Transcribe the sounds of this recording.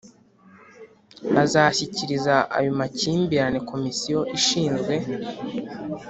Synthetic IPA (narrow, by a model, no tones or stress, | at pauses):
azaçiciɾizaʔa̰jomaciːmbiɾane̞ko̞misijo̞ʔiʃiːnzɡwe̞